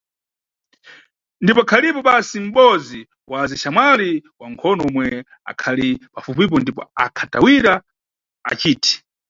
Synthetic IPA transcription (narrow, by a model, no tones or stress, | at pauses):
ndipɔakʰalipɔɓasim̩ɓɔzi | waziʃamwaliwaŋkʰɔnɔumwɛ | a̰kʰalipafupip̬ɔndipɔ̰akʰatawiɾa | a̰t͡ʃiːtʰi̥